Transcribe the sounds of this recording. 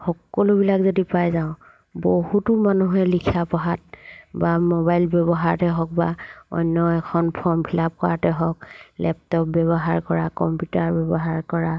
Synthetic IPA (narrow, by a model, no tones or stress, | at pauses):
xɔkːɔlʊbilakzodipajzaʊ̃ | bohutʊmanuɦɛlikʰapɔɦat̚bamɔbajlbɛbɔɦaɹtɛɦɔk̚baɔ̰jnːɔɛkʰɔnpʰɔmpʰilap̚kɔɹatɛɦɔklʔɛp̚tɔp̚bɛβɔɦaɹkɔɹakɔmpjutaɹbɛbɔɦaɹkɔɹa